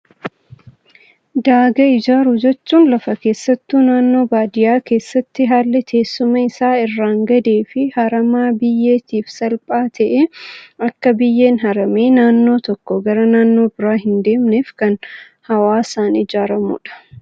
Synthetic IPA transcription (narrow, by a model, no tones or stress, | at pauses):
d̪aːɡɐɪd͡ʒaːɾʊd͡ʒɛt͡ʃːuːnlɐfɐke̞ːsːɐt̪ːuːnaːnːo̞ːbaːd̪ɪjaːke̞ːsːɐt̪ːɪɦaːlːɛt̪ʰe̞ːsːʊmɐɪsaːɪrːaːŋɡɐd̪e̞ːfɪhɐɾɐmaːbɪjːe̞ːt̪iːfsɐlpʼaːt̪ʰɐʔɛɐkːɐbɪjːe̞ːnɦɐɾɐmeːnaːnːo̞ːt̪ɔkːɔɡɐɾɐnaːnːo̞ːbɪɾaːɦɪnd̪e̞ːmneːfkɐn | hɐwaːsaːnɪd͡ʒaːɾɐmṵːᶑɐ̥